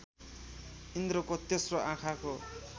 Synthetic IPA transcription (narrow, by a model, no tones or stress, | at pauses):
ind̪ɾokot̪esroʔãkʰako